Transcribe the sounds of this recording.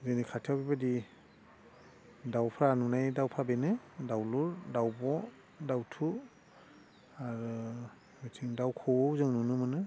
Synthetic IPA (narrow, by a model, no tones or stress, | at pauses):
zɯnikʰatʰijawbibadi | dawpʰɾanunajdawpʰabenɯdawluɹdawbɔ | dawtʰu | aɾɯ | mɯtʰiŋdawkʰɔzɯŋnunɯmɯnɯ